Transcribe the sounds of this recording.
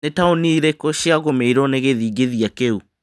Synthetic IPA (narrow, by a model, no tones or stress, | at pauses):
netaoniɾekɔɕiaɣomeiɾɔneɣeðiːɡeðiakeu